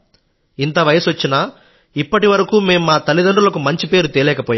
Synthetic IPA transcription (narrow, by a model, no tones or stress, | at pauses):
int̪ɐʋɐjɐsʋɐt͡ʃːinaː | ipːɐʈiʋɐɾɐkuːme̞ːmːaːt̪ɐlid̪ɐɳɖulɐkumɐɲt͡ʃipe̞ːɾut̪eːlɛːkɐpɔːjaː